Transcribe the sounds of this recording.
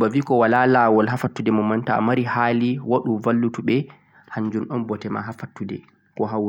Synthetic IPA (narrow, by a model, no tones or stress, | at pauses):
baviːkɔwalalawɔlɦafatːudɛmɔmːanta̰maɾihaliwaɗumvalːutuɓɛ | haɲd͡ʒunɗɔnbɔtɛma̰ɦafatːudɛ̰ | kɔɦaw